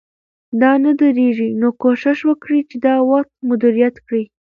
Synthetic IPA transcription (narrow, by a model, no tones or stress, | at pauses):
d̪ɑnad̪əɾeʒinokoʃɪʃwəkɽit͡ʃed̪ɑwaqt̪̚mʊd̪iɾijat̪kɽi